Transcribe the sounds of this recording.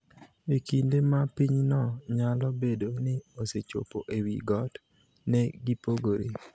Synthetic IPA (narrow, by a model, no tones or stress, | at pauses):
ekindemapiɲnɔɲalɔbedonɪoset͡ʃo̰poʔewiɡɔt | nɛɡipoɡoɾe